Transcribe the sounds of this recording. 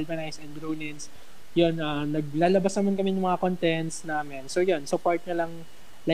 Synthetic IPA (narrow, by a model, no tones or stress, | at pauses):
lbɐnajsɛnd̪ɾonɛns | jonʔanɐɡ̚laːlɐbasnɐmankɐmɛnʊŋmɐŋakont̪ɛnt̪snaːmɛnsojonsʊpoɹt̪̚ɲɐlɐŋ | la